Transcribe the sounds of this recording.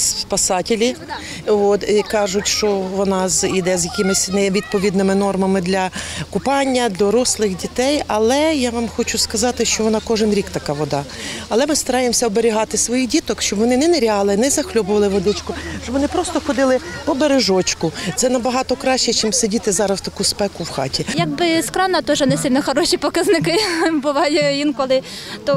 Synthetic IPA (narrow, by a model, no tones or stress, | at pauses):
sspɐsɑtʲɪlʲi | ʋot̪ikɑʒʊtʲʃt͡ʃɔʋɔnɑzid̪ɛzʲjɐkʲɪmɪsʲnɛʋʲid̪̚pɔʋʲid̪nɪmɪnɔrmɐmɪd̪lʲɐkʊpɑnʲːɐd̪lʲɐɾɔslˠɪxdʲit̪ɛjɐlˠɛjaʋamxɔt͡ʃʊskɐzɑt̪ɪʃt͡ʃɔʋɔnɑkɔʒɪnɾʲikt̪ɐkɑʋɔd̪ɑ | ɐlˠɛmɪst̪ɐɾɑjemsʲɐɔbeɾʲiɦɑt̪ɪsʋɔjixdʲit̪ɔkʃt͡ʃɔbʋɔnɪnɛneɾʲɑlˠɪnɛzɐxlʲɔbʊʋɐlˠɪʋɔd̪ɪt͡ʃkʊʃt͡ʃɔbʋɔnɪpɾɔst̪ɔxɔd̪ɪlˠɪpɔbeɾeʒɔt͡ʃkʊt̪sɛnɐbɐɦɑt̪ɔkɾɑʃt͡ʃːɛt͡ʃɪmsedʲit̪ɪzɑɾɐst̪ɐkuspɛkʊwxɑ̰tʲijɐɡ̚bɪskɾɑnɐt̪ɔʒɛnɛsʲɪlʲnɐxɔɾɔʃʲipɔkɐznɪkɪbʊʋɑjɛjinkɔlˠɪ | t̪ɔ